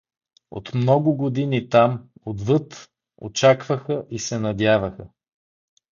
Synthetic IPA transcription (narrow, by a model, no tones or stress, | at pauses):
o̰t̪mnɔɡʊɡod̪init̪amod̪vɤt̪ | o̰t͡ʃakvəxəʔisɛnɐd̪ʲjavɐxə